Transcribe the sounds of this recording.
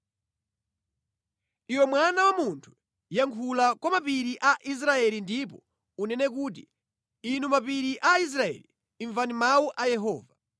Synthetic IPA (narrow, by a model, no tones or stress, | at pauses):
iwɛmwanawamuntʰu̥ | jaŋkʰulakwamapiɾiʔaʔis̬ɾaɛlindip̬ɔ | unɛnɛk̬uːt̬i | inumapiɾiʔais̬ɾaɛ̰liː | ɱvanimawuʔajɛɦɔːva